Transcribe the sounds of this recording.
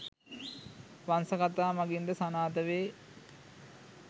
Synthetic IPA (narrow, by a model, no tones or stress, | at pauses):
ʋansɐkat̪aːmaɡind̪əsanaːt̪əʋeː